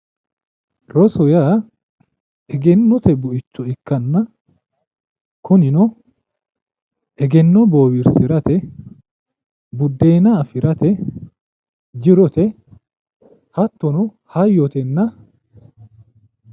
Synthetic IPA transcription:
ɾɔsɔjaː | ɛɡɛnːɔt̪ɛbʊɪt͡ʃːɔɪkːɐnːɐ | kʰʊnɪnɔ | ʔɛɡɛnːɔboːwɪɾsɪɾɐt̪ɛ | bʊd̪ːeːnɐːfɪɾɐt̪ɛ | d͡ʒɪɾɔt̪ɛ | hɐt̪ːɔnɔ | hɐjːɔt̪ɛnːɐ

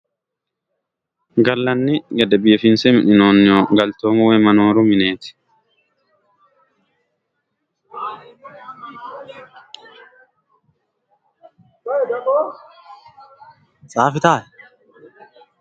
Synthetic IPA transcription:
ɡɐlːɐnːɪɡɐd̪ɐbiːfɪnsɛmɪnɪnoːnːoːɡɐlt̪oːmuwemɐnoːɾumɪneːt̪ɪ̥ | saːfɪt̪aːʔɛ

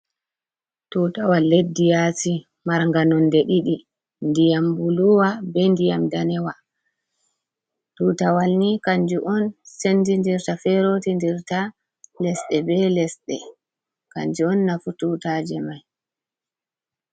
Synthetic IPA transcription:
tutawaledːijati | maɾŋɡanɔndɛɗiɗi | ndijambuluwabɛndijamdanɛwa | tuːtawalnikaɲd͡ʒuʔɔnsendindiɾtafɛɾotindiɾta | lɛsɗɛbɛlɛsɗɛ̰ | ka̰ɲd͡ʒuɔnːafututad͡ʒɛmaj

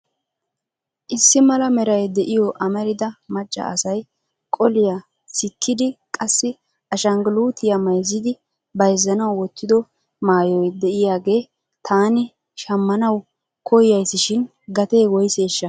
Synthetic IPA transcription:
ʔɪsːɪmɐlɐmɛɾɐjd̪ɛʔɪjɔʔɐmɛɾɪd̪ɐmɐt͡ʃʼːɐ̰ʔɐsɐj | kʼɔlɪjɐ | sɪkʰːɪd̪ɪkʼɐsːɪ | ɐʃɐŋɡluːt̪ʰɪjɐmɐjzːɪd̪ɪ | bɐjzːɐnɐwːɔt̪ːɪd̪ɔ | maːjɔjd̪ɛʔɪjaːɡe̞ː | t̪ʰaːnɪ | ʃɐmːɐnɐw | kʰɔjjɐjsːɪʃɪn | ɡɐt̪e̞ːwɔjse̞ːʃːɐ

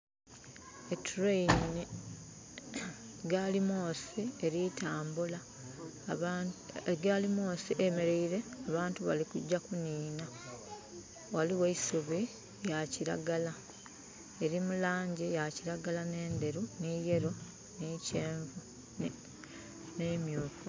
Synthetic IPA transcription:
etʰuɾeinni | ɡalimo̞ːsieɾitʰaːmbula | ɡalimo̞ːsiʔemeɾeiɾe̞aβaːntuβa̰likuɟːakuniːna | waliweisuβi | jaciɾa̰ɡala | e̞ɾimulaːɲɟijaciɾaɡalane̞ːnde̞ɾuniːje̞ɾo | niːce̞ːɱvu | neːmjuːku

